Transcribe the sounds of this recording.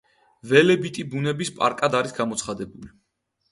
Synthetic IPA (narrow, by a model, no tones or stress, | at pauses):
vɛlɛbit̪ʼibunɛbispʼa̰ɾkʼad̪aɾisɡamɔt̪sʰχad̪ɛbuli